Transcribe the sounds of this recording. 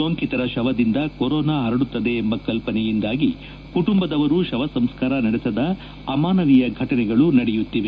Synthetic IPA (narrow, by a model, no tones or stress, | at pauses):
soːŋkit̪ɐɾɐʃɐʋɐd̪ind̪ɐkoɾɔːnaːɦɐɾɐɽut̪ːɐd̪e̞ːmbɐkɐlpɐnɛjind̪aːɡi | kuʈumbɐd̪ɐʋɐɾuʃɐʋɐsɐmskaːɾɐnɐɽɛsɐd̪ɐː | maːnɐʋijɐɡʱɐʈɐnɛɡɐɭunɐɽɛjut̪ːiʋe